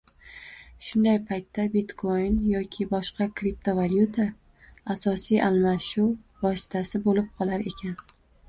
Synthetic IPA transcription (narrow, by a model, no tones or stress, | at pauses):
ʃʊnd̪ajpʰajt̪ʰːabit̪kʰojnjɒkʲʰɪbɒʃqɑkɾip̚t̪ʰovaljut̪ʰaː | sɒsijʔalˠmaʃuvɒsɪ̥t̪ʰasɪbolɪp̚qʰɒlˠaɾe̞kʲʰan